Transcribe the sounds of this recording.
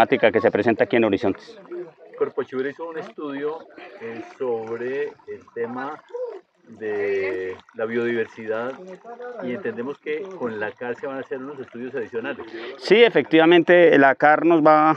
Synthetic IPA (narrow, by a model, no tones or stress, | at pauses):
at̪ikake̞se̞pɾe̞se̞nt̪aːkie̞no̞ɾiso̞nt̪e̥skoɾpot͡ʃiβeɾisoune̞st̪uðjo | soβɾeːlt̪e̞ma | ðe | laβjo̞ðiβe̞ɾsiðaðie̞nt̪e̞nd̪emoske̞ko̞nlakaɾseβanase̞ɾunose̞st̪uðjo̞saðisjo̞nalessiefe̞k̚t̪iβamẽnt̪e̞lakaɾno̞zba